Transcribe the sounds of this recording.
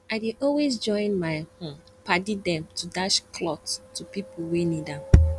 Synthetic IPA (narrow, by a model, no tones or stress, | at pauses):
adiʔɔlwesd͡ʒɔ̃ɪ̃nmaɪhõm | padidɛ̃mtʰudaʃkʰlɔttːupipuwenidã